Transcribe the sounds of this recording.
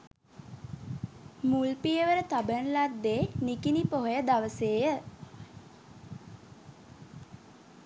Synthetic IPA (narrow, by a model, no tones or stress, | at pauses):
mulpijəʋəɾət̪abənlad̪ːeːnikinipoɦojəd̪aʋəseːjə